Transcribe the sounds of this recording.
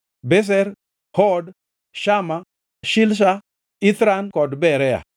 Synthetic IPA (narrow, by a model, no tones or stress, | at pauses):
bɛs̬ɛɾ | hɔd | ʃama | ʃɪlʃ̬a | it̪ɾankɔdbɛɾɛa̰